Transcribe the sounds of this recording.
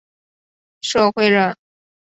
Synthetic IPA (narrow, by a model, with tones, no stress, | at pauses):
ʂo˥˧ʊxwe˥˧ɪɻə˥˩